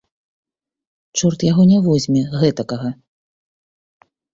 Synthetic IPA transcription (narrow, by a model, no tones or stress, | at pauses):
t͡ʂɔrt̪jaɣɔnʲavɔzʲmʲɛɣɛt̪ɐkɐɣɐ